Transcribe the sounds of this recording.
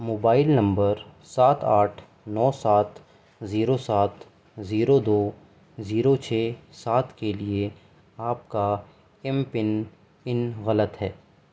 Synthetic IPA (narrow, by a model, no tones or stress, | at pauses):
moːbaːɪlnɐ̃mbəɾsaːt̪ʰaːʈʰ | nɔːsaːt̪ʰ | ziːɾosaːt̪ | ziːɾod̪oː | ziːɾot͡ʃʰeːsaːt̪ʰkelie | aːp̚ka | ɪmpɪn | ɪnɣɐlət̪ɦɛː